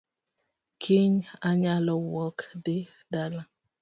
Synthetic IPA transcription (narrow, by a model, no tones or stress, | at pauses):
kʰiŋaɲalɔwɔkdɪ | dala